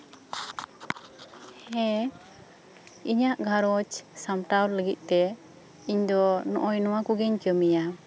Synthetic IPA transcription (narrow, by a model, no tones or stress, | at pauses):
hɛ | iɲaʔɡʱaɾɔt͡ʃsamʈawɾləɡit̪̚ˀt̪ɛ | iɲd̪ɔnɔʔɔjnɔwakuɡɛɲkəmija